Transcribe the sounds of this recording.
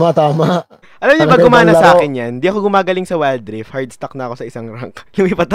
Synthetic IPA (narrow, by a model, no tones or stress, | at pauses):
mɐt̪aːmaʔ | ʔɐlɐmɲapɐɡkʊmaːnɐsɐʔaːkɪnjand̪iʔɐkoɡʊmaːɡɐlɪŋsɐwɛld̪ɾɪfhaɹd̪̚st̪ɐk̚nɐɐko̞sɐɪsaŋɾaŋkkɪmipɐt̪